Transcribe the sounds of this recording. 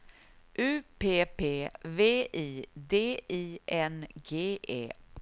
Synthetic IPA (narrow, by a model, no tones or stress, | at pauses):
ʔʉ̟ːpʰeːpʰeːveːʔiːd̪eːiːɛnɡeːʔḛː